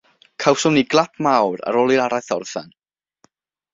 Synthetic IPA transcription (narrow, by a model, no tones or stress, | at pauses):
kʰawsʊmniɡlˠapʰmawɾa̰ɾoːlˠiɾaɾajθɔrθa̰n